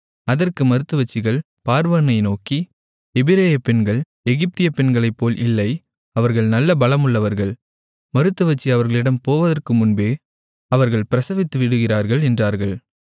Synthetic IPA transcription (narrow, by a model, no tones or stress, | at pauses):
ɐðɐrkɯmɐɾɯt̪ːɯʋɐt͡ʃːɪɣɐɭ | paːɾʋɐnɐɪnoːki | ɛbɪɾeːjɐpːɛnɡɐɭ | ɛɣɪp̚t̪ɪjɐpɛnɡɐɭɐɪpːoːlʔɪlːɐɪ | ɐʋɐɾɣɐɭnɐlːɐbɐlɐmɯɭːɐʋɐɾɣɐɭ | mɐɾɯt̪ːɯʋɐt͡ʃːiɐʋɐɾɣɐɭɪɽɐmpoːʋɐðɐrkɯmʊnbeː | ɐʋɐɾɣɐɭpɪɾɐsɐʋɪt̪ːɯʋɪɽɯɣɪraːɾɣɐɭɛndraːɾɣɐɭ